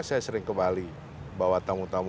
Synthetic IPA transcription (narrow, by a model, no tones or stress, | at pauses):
sajasəɾɪŋkəmbali | bawat̪amut̪am